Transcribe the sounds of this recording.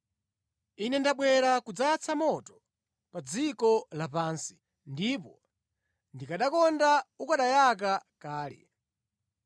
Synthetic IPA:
inɛndaɓwɛɾakud͡zat͡sʰamɔtɔ̥ | pad͡zikɔlapaːnsi̥ | ndipɔ | ndikaɗakɔndaukaɗajak̬akaːlɛ̰

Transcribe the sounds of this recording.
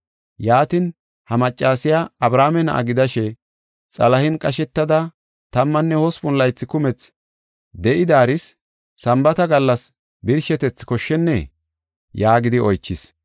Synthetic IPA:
jaːt̪ɪn | hɐmɐt͡ʃʼːaːsɪjaɐbɾaːmɛnɐ̰ʔɐ̰ɡɪd̪ɐʃɛ | t͡sʼɐlɐhɪnkʼɐʃɛt̪ːɐd̪ɐ | t̪ɐmːɐnːɛhɔspʊnlɐjt͡sːɪkʊmɛt͡s | d̪ɛʔɪd̪aːɾɪsː | ɐmbɐt̪ɐɡɐlːɐs | bɪɾʃɛt̪ɛt͡sːkɔʃːɛnːɛ | jaːɡɪd̪ɪɔjt͡ʃːɪs

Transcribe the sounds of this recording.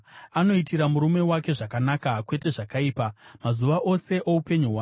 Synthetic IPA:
ano̞itiɾamuɾume̞wake̞ʐakanakakwe̞te̞ʐakaiːpamazuʋaʔo̞se̞ʔoupe̞ɲuɦwaː

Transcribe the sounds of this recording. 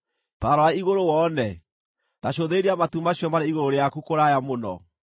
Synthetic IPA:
taɾɔaiɣoɾowɔnɛ | taɕoðeɾiamatumaɕjɔmaɾeiɣoɾoɾejakukoɾajamonɔ̰

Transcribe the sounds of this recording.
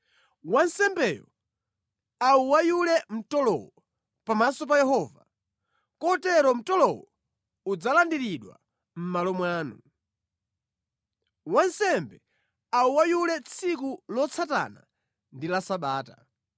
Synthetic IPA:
wansɛmbɛːjɔ̰ | auwajulɛm̩tɔlɔ̰wɔ | pamasɔp̬ajɛhɔːva | kɔtɛɾɔm̩tɔlɔwɔ | ud͡zalandiɾiɗwa̰ | m̩malɔmwaːnu | wansɛmbɛ | auwajulɛt͡sʰikulɔt͡sʰata̰na̰ | ndilasaɓaːta

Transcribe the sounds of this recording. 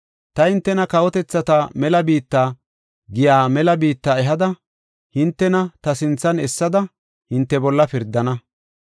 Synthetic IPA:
t̪ɐhɪnt̪ːɛnɐkɐwɔt̪ɛt͡sːɐt̪ɐmɛlɐbiːt̪ːaː | ɡɪjaːmɛlɐbiːt̪ːaɛɦɐd̪ɐ | hɪnt̪ːɛnɐt̪ɐsɪnt͡sːɐnɛsːɐd̪ɐ | hɪnt̪ːɛbɔlːɐpɪɾd̪ːɐnɐ

